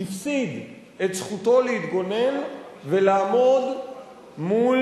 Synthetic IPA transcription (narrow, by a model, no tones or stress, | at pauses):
ifsid̪ | et̪sχut̪o̞leit̪ɡo̞ne̞n | ve̞laːmo̞d̪ | mul